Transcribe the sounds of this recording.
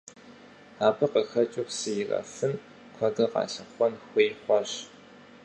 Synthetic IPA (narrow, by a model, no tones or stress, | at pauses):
aːbɨqəxɐt͡ʃʼʊχsɨjɪrɐ̰fɨn | kʷʰɐɡɨqɑ̰ːɬɪχʷɔnxʷeːχʷɔɕ